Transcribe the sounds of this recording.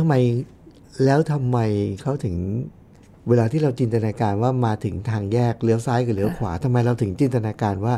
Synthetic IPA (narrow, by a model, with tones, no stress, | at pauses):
t̪ʰa˧mːa˧j | lɛː˦˥wt̪ʰa˧mːa˧jkʰa˦˥wt̪ʰɯ˩˦ŋ | weː˧laː˧t̪ʰiː˥˩ɾa˧wt͡ɕi˧nt̪a˧naː˧kaː˧nwaː˥˩maː˧t̪ʰɯ˩˦ŋt̪ʰaː˧ŋjɛː˥˩k̚lɯ˦˥əwsaː˦˥jkaː˨˩lɯ˧˦əwkʰwa̰ː˩˦t̪ʰa˧mːa˧jɾa˧wt̪ʰɯ˩˦ŋt͡ɕi˧nt̪̬a˧naː˧kaː˧nwaː˥˩